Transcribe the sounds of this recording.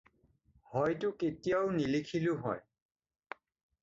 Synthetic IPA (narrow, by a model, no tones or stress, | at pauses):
hɔjtʊketijawnilikʰilʊɦɔ̰j